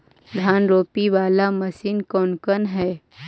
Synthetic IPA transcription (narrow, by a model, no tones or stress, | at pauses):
d̪ʱjaːnɾoːpiʋaːlamɐsiːnkɔːnkənɦɛː